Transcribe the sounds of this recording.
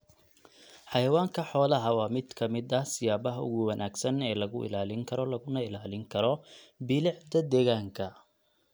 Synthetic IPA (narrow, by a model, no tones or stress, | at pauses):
ħɑjɐwaːŋkʰɐħɔːlɐɦɐwɑːmɪd̪kʰɐmɪd̪ɐsɪjaːbɐɦʊ̰ɣʊwɐnʔaːɡsɐnɛːlɐɣʊʔɪ̰laːlɪŋkʰɐɾɔlɐɣʊnɐɪlaːlɪŋkʰɐɾɔbɪlɪʕd̪ɐd̪ɛːɣaːŋkʰɐ